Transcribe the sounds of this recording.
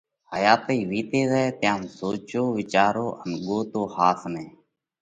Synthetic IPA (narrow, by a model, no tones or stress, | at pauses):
həjaːt̪eiːʋiːt̪eːzɛet̪jãːmsoːt͡ʃoːʋɪt͡ʃaːɾoːʔənɠoːt̪oːhaːsnẽː